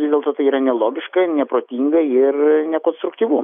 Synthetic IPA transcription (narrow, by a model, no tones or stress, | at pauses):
ʋʲɪzdʲeɛlˠt̪oːt̪ɐɪiːɾɐnʲɛlˠoːɡʲɪʃkɐnʲɛpɾoːt̪ʲiːŋɡɐɪrnʲɛkoːnst̪ɾʊk̚t̪ʲiːʋum